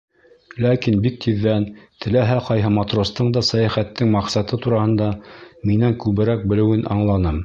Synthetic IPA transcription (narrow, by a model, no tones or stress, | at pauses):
lækinbik̚t̪ʰiðːænt̪ʰɘ̆læɦæqɑjɦɤmɑt̪rost̪ɤɴd̪ɑsæjæχæt̪ːɘŋmɑqsɑt̪ɤt̪uɾɑhɤ̆nd̪ɑminæŋkʉβɘ̆ɾæk̚bɘ̆lɘ̆wɘnʔɑɴlˠɑnɤm